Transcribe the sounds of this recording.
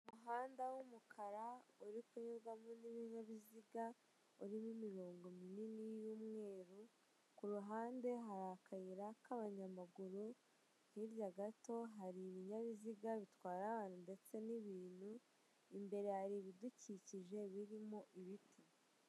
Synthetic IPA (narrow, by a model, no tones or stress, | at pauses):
umuɦaːndawumukʰaɾauɾikuɲuɾɡamoniβiɲaβiziɡa | uɾimumiɾo̞ːŋɡo̞mininijuːmŋe̞ːɾu | kuɾuɦaːnde̞ɦaɾakajiɾakaβaɲamaɡuɾu | hiɾjaɡato̞ɦaɾiβiɲaβiziɡaβitwaːɾaβaːnhunde̞t͡se̞niβiːnhu | imbe̞ɾe̞haɾiβiduciciʒe̞βiɾimoʔiβiti